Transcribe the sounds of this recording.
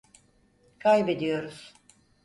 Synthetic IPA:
kʰajbe̞d̪ijo̞ɾuz̥

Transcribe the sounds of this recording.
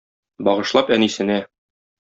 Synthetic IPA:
bɒʁɤ̆ʃlˠɑpænisɘ̆næ

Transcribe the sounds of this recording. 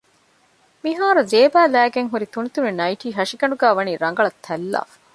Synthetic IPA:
miɦaːɾuzeːbæːlæːɡeŋɦuɾit̪unit̪unenɐjʈiːɦɐʃiɡɐɳɖuɡæːʋɐniːɾɐŋɡɐɭɐt̪ʰːɐlːa̰ːfɐ̥

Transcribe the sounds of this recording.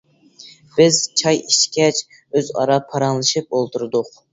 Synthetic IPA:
b̥ɪz̥t͡ʃʰɑjiʃkʲɛt͡ʃ | øzɑ̰ɾɑpʰɑɾɑŋlˠɨʃɨp̚olˠt̪ʰuɾɨd̪ʊq

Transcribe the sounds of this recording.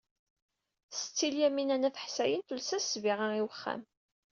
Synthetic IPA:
sə̥t͡sːiljæminænæθəħsæjənt̪ulsæsviʁaiwəχːæ̰m

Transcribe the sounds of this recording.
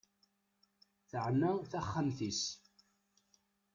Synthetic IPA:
θəʕnaθaχːəmθis

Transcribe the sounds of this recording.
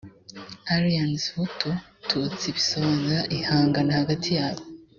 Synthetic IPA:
aɾijanzhutʰotʰut͡siβisoβaːniɾaʔihaːŋɡanahaɡatʰijaːβo

